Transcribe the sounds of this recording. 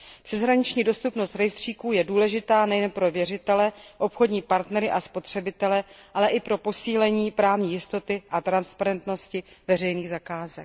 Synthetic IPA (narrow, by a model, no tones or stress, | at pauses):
pr̥ɛzɦɾaɲɪt͡ʃɲiːdo̞st̪upnost̪ɾɛjst̪r̝̥iːkuːjɛduːlɛʒɪt̪aːnɛjɛnpɾo̞vjɛrɪt̪ɛlɛʔo̞pxo̞dɲiːpaɾt̪nɛɾɪʔaspo̞t̪r̝̥ɛbɪt̪ɛlɛʔalɛʔɪpɾo̞po̞siːlɛɲiːpɾaːvɲiːjɪst̪o̞t̪ɪʔat̪ɾanspaɾɛnt̪no̞scɪvɛrɛjniːɣzakaːzɛk̚